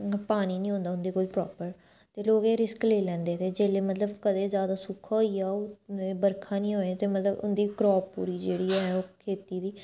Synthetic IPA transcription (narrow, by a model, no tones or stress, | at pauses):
paːniːnĩːɦõːnd̪aːʊnd̪iːkʊd͡ʒpɾɔːpəɾ | t̪eːloːɡeːɾɪskleːlɛ̃ːnd̪eːt̪eːd͡ʒeːleːmət̪ləbkəd̪eːzjaːd̪aːsʊkʰːaːɦoːiaːoebəɾkʰãːnĩːɦoːet̪eːmət̪ləbʊ̰nd̪iːkɾɔːṵːɾiːd͡ʒeːɽiːɛɦɛːoːkʰeːt̪iːd̪iː